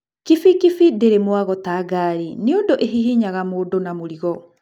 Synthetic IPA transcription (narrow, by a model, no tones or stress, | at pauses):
kifikifideɾemwaɣɔtaːɡaːɾineondoʔeɦiɦiɲaɣamoːdonamoɾiɣɔ